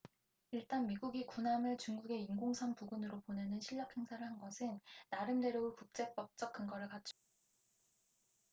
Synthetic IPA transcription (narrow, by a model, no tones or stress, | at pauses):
iɭt͈anmiɡuɡikunamɯɭt͡ɕuŋɡuɡe̞inɡoŋsʰaŋpuɡunɯɾopone̞nɯnɕʰiʎːʌk̚ʰhe̞ŋsʰaɾɯɭhanɡʌsʰɯnːaɾɯnde̞ɾjoɡɯɭkuk̚t͡ɕ͈e̞p͈ʌk̚t͡ɕ͈ʌk͈ʰːɯŋɡʌɾɯɭkat͡ɕʰo̥